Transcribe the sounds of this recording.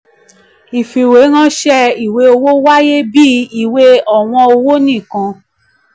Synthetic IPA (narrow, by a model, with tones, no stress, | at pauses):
i˨fi˨we˨˦ŋã˦ʃɛ˦i˨we˧˦o˧wo˦wa˦je˦bi˦i˨we˧˦ɔ˨w̃ɔ̃˧o˧wo˦nĩ˦˨kã˧